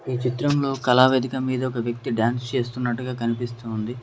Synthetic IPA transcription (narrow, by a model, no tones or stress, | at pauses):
iːt͡ʃit̪ɾɐmlo̞ːkɐlaːʋeːd̪ʱikɐmiːd̪ɐɔkɐʋjɐk̚t̪iɖjaːnst͡ʃe̞ːst̪unːɐʈːuɡaːkɐnipist̪uːnd̪i